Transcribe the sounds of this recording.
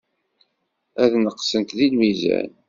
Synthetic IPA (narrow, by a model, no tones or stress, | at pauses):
æðnəqːsənt̪ðilmizæ̰n